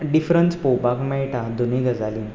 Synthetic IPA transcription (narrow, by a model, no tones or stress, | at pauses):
ɖifɾənt͡spobakmɛjʈad̪uniɡəd͡zalin